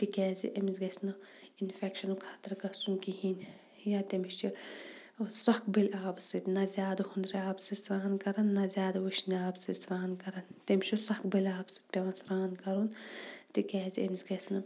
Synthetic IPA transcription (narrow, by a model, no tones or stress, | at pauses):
t̪ikɛːzḭʔemzɡɐsnɐinfɛkʃɐnukʰat̪ɐɾkɐsunkiɦin | jat̪emiʃi | sɐkbelʲaːbsit̪nɐzʲjaːd̪ɐhund̪ɾiaːbsɨsɾaːnkɐɾɐnːɐzʲjaːd̪ɐwuʃniaːbsisɾaːnkɐɾɐnt̪emʲʃisɐkbɐlʲaːbsɨ̥t̪̚pʲemɐsɾaːnkɐɾunt̪ikɛːziemzɡɐsnɐ